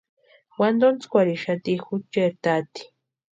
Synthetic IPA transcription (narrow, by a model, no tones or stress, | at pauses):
wand̪ont͡skʷaɾiʃat̪ixut͡ʃeɾt̪at̪i̥